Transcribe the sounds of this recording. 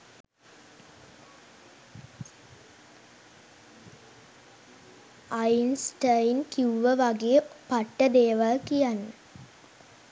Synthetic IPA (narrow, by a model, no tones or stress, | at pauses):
ajnsʈajinkiuʋəʋaɡeəpaʈːəd̪eːʋalkijanːə